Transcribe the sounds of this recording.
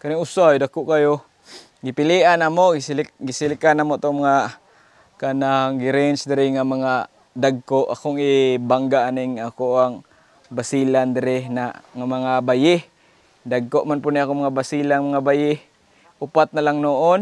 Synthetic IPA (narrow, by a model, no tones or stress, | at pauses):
kanɪŋʊsajdakoʔkajo | ɡɪpɪliʔanamoɡɪslɡɪsɪlɪkanamoat̪oŋmaŋa | kanaŋɡɪɾɪnsd̪ɪɾɪŋamaŋa | daɡ̚koʔakoŋɪbaŋɡaʔanɪŋakoaŋ | basiland̪ɪɾɪnaŋamaŋabajɪh | d̪aɡ̚koʔmanpʊniakoŋmaŋabasilaŋmaŋabajɪ | ʊpat̪̚nalaŋnoʔon